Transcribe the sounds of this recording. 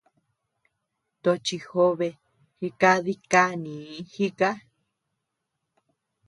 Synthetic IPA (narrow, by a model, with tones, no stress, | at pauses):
t̪o˧t͡ʃi˧ho˦βe˧ | hi˧ka˦ði˦ka˦nĩ˨˦hi˦ka˦